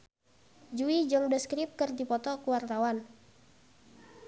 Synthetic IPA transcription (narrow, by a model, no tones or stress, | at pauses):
d͡ʒuid͡ʒɔŋdəskɾip̚kɨrdipɔt̪ɔkuwart̪awan